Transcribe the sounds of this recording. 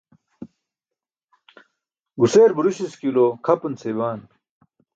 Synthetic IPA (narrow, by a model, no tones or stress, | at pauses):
ɡuseːɾbuɾuɕiskilokʰɐpɐnt͡sewaːn